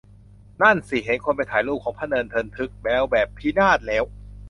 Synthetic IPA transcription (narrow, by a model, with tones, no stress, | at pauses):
na˥˩nsi˨˩ɦe˩˦nkʰo˧npa˧jt̪ʰaː˩˦jluː˥˩kʰːɔː˩˦ŋpʰaː˥˩nɤː˧nt̪ʰɤː˧nt̪ʰɯ˦˥k̚bɛː˦˥wbɛː˨˩pʰːiː˦˥naː˥˩t̪̚lɛː˦˥w